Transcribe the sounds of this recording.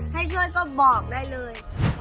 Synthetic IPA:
ha˥˩jt͡ɕʰu˥˩əjkɔː˥˩bɔː˨˩k̚daː˥˩jlɤː˧j

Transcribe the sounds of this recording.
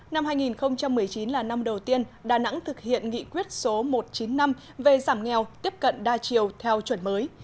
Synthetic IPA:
na˧mhɦaː˧jŋi˨˩nxə˧wŋ͡mt͡ɕa˧mːɨ˨˩əjt͡ɕi˨˦nlaː˨˩na˧mɗə˨˩wt̪i˧ənɗaː˨˩na̰˧˥ŋt̪ʰɨ˨˩k̚hḭ˧˨ənŋḭ˧˨kwi˦˥ət̚so˨˦mo˨˩t̚t͡ɕi˨˦nːa˧m | ve˨˩zaː˧˩mŋɛ˨˩wt̪i˦˥əp̚kə̰˧˨nɗaː˧t͡ɕi˨˩əwt̪ʰɛ˧wt͡ɕwə˧˩nməː˨˦j

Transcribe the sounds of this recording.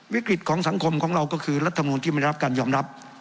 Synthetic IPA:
wi˦˥kɾi˨˩t̪̚kʰɔː˩˦ŋsa˩˦ŋkʰo˧mkʰɔː˩˦ŋɾa˧wkɔː˥˩kʰɯː˧ɾa˥t̪ʰːm˧nuː˧ni˥˩m˥˩˨ɾa˥kaː˧njɔː˧mɾa˦˥p̚

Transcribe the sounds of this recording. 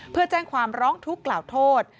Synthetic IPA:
pʰɯ˥˩ɐt͡ɕɛː˥˩ŋkʰwaː˧mɾɔː˦˥ŋt̪ʰu˦˥kːlaː˨˩wt̪ʰoː˥˩t̪̚

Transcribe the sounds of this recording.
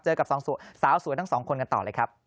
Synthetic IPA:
t͡ɕɤː˧ka˨˩p̚sɔː˩˦ŋsu˩˦saː˩˦wsu˨˦t̪ʰa˥˩ŋsɔː˩˦ŋkʰo˧nka˧nt̪ɔː˨˩lɤː˧jkʰa˦˥p̚

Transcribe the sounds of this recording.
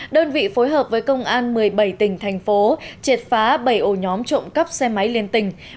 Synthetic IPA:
ɗəː˧nvḭ˧˨fo˨˦jɦəː˨˩p̚vəː˨˦jkə˧wŋ͡mʔaː˧nmɨ˨˩əjɓə˧˩jt̪ï˧˩ŋ̟t̪ʰɛ˨˩jŋ̟fo˨˦t͡ɕe˨˩t̚faː˨˦ɓə˧˩jʔo˧˩ɲɔ˨˦mt͡ɕo̰˧˨ŋ͡mkə˦˥p̚sɛ˧ma˨˦jli˧nt̪ï˧˩ŋ̟

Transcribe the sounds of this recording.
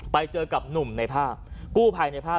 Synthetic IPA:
pa˧jt͡ɕɤː˧ka˨˩p̚nu˨˩mna˧jpʰaː˥˩p̚kuː˥˩pʰaː˧jna˧jpʰaː˥˩

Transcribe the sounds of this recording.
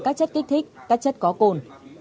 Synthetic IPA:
kaː˦˥k̚t͡ɕə˦˥t̚ki˦˥k̚t̪ʰi˦˥k̚kaː˦˥k̚t͡ɕə˦˥t̚kɔ˨˦ko˧n

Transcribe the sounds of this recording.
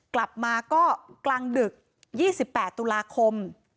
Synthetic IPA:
kla˨˩p̚maː˧kɔː˥˩klaː˧ŋdɯ˨˩k̚ | jiː˥˩si˨˩pːɛː˨˩t̪ːu˧laː˧kʰo˧m

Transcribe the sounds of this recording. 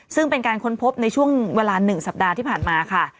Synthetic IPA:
sɯ˥˩ŋpe˧nkaː˧nkʰo˦˥npʰo˦˥p̚na˧jt͡ɕʰu˥˩əŋweː˧laː˧nɯ˨˩ŋsa˨˩p̚daː˧t̪ʰiː˥˩pʰaː˨˩nmaː˧kʰa˥˩

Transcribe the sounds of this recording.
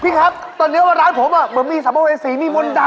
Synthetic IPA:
pʰi˧˥˩ŋkʰa˦˥p̚ | t̪ɔː˧nːi˦˥waː˧ɾaː˦˥npʰoː˨˩˦mʔaː˧˩m˨˦nmiː˧˩sa˨˦ma˧weː˧siː˨˩˦miː˧mo˧nɗa˧

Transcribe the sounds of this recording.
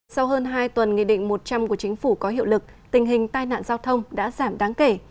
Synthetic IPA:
sa˧wɦəː˧nɦaː˧jt̪wə˨˩nŋḭ˧˨ɗḭ˧˨ŋ̟mo˨˩t̚t͡ɕa˧mku˧˩ət͡ɕï˨˦ŋ̟fu˧˩kɔ˨˦ɦḭ˧˨əwlɨ˨˩k̚ | t̪ï˨˩ŋ̟ɦï˨˩ŋ̟t̪aː˧jna̰ː˧˨nzaː˧wt̪ʰə˧wŋ͡mɗa̰ː˧˥zaː˧˩mɗaː˨˦ŋke˧˩

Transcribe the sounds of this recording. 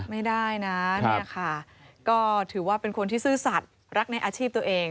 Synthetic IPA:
ma˥˩jdaː˥˩jna˦˥ni˥˧˩ɐ˨kʰa˥˩ | kɔː˥˩t̪ʰɯː˩˦waː˥˩pe˧nkʰo˧nt̪ʰiː˥˩sɯː˥˩sa˨˩t̪̚ | ɾa˦˥k̚na˧jʔaː˧t͡ɕʰiː˥˩p̚t̪u˧ɐʔeː˧ŋ

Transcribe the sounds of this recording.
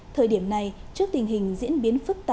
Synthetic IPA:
t̪ʰəː˨˩jɗi˧˩əmna˨˩jt͡ɕɨ˦˥ək̚t̪ï˨˩ŋ̟ɦï˨˩ŋ̟zḭ˧˥ənɓi˨˦ənfɨ˦˥k̚t̪a˧

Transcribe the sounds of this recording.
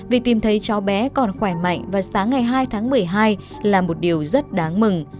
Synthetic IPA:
vi˨˩ək̚t̪i˨˩mt̪ʰə˨˦jt͡ɕɔ˨˦wɓɛ˨˦kɔ˨˩nxwɛː˧˩ma̰˧˨jŋ̟vaː˨˩saː˨˦ŋːa˨˩jɦaː˧jt̪ʰaː˨˦ŋmɨ˨˩əjɦaː˧j | laː˨˩mo˨˩t̚ɗi˨˩əwzə˦˥t̚ɗaː˨˦ŋmɨ˨˩ŋ

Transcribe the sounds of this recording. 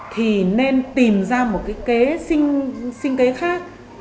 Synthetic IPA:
t̪ʰi˨˩ne˧nt̪i˨˩mzaː˧mo˨˩t̚kaː˨˦jke˨˦sï˧ŋ̟sï˧ŋ̟ke˨˦xaː˦˥k̚

